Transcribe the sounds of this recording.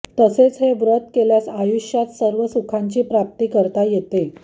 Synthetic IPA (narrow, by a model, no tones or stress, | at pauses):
t̪əset͡sɦeʋɾət̪keljasajuɕjat̪səɾʋəsukʰaɲt͡ɕiːpɾap̚t̪iːkəɾt̪ajet̪e